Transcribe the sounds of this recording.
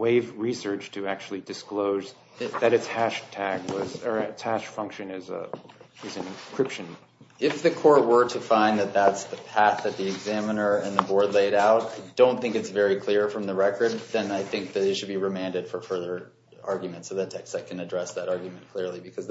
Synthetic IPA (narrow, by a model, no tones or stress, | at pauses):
weɪvɹisɜ˞t͡ʃtʰɨæk̚t͡ʃʉl̩ˠidɨskloʊz | ðɨɾɨtshæʃtʰæɡwʌzə˞ɪtshæʃfʌ̃ŋkʃɨ̃nɪz̰ | ɨzɨ̃nɨ̃nkʰɹ̥ɪpʃɨ̃n | ɪfðɨkʰɔɹt̚wə˞ɾɨfãɪ̃nðɨt̪̚ðætsðɨpʰæθðɨt̪̚ðiɨɡzæ̃mənə˞ɨ̃nðɨbɔɹdˡleɪɾaʊt̚aɪdõʊ̃nθɪ̃ŋkɨtsvɛɹikʰl̥ɪɹfɹʌ̃mðəɹɛkə˞d̪̚ðɨ̃naɪθɪ̃ŋk̚ðɨðɨʃɨd̚biɹɨmæ̃ndɨd̥fə˞fɜ˞ðə˞ | ɑɹɡjmɨ̃ntsoʊðɨtʰɛkstakʰɨ̃nɨdɹɛsðɨɾɑɹɡjmɨ̃nkʰl̥ɪɹlˠibɨkʰʌz